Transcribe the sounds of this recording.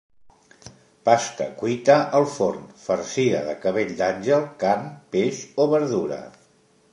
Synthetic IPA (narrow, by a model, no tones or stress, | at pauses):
past̪ə̰kwuit̪əʔəlˠfornfəɾsiə̰ðəkəβeʎd̪anʲʒəlˠkarmpeʃoβəɾðuɾə̰